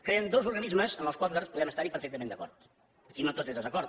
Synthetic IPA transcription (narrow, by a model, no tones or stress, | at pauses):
kɾeənd̪ozuɾɣənizməzənəlˠkwalˠəɾspuðɛməst̪aɾipəɾfɛk̚t̪əmend̪əkɔ̰ɾt̪ | əkinot̪ot̪ezðəzəkɔɾt̪